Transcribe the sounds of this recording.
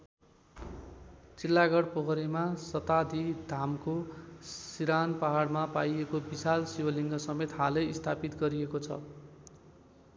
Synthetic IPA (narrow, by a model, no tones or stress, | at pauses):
t͡silːaɡʌɽpʌkʌɾimasʌt̪ad̪id̪ʱamko | siɾanpaɦaɽmapajekobisalsiwʌliŋɡʌsʌmet̪ɦalʌist̪ʰapit̪ɡʌɾiekot͡sʰʌ̰